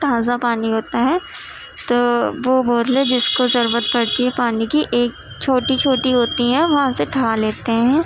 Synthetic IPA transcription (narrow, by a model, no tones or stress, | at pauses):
ʈʰaːzapaːniɦoːt̪aɦɛː | t̪oːʋoboːd̪led͡ʒɪskozɐɾuːɾət̪̚pɐɽt̪iɦɛpaːnikiʔeːk̚ | t͡ʃʰoːʈit͡ʃʰoːʈiɦoːt̪iɦɛ̃ʋɐɦãseʈʰɐɾaleːt̪eɦɛ̃ː